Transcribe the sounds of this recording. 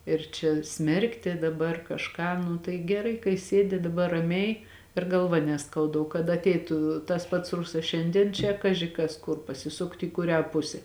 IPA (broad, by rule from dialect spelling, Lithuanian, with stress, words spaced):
ɪr t͡ʃʲɛ ˈsʲmʲɛrktʲɪ dɐˈbɐr kɐʃˈkɑː nʊ tɐɪ ɡʲɛˈrɐɪ kɐɪ ˈsʲeːdʲɪ dɐˈbɐr rɐˈmʲɛɪ ɪr ɡɐlˠˈʋɐ nʲɛˈskɐʊdɐ oː kɐt ɐtʲˈɛɪtʊ tɐs pɐts ˈrʊsɐs ˈʃʲɛnʲdʲiɛn t͡ʃʲɛ ˈkɑːʒʲɪ kɐs ˈkʊr pɐsʲɪˈsʊkt iː kʊˈrʲæː ˈpʊsʲɛ